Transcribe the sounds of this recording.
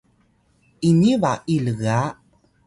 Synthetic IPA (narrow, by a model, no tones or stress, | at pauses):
inivaʔiləɣa